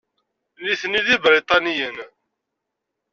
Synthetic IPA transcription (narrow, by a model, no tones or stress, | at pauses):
liθniðibɾit̪ˤɑnijən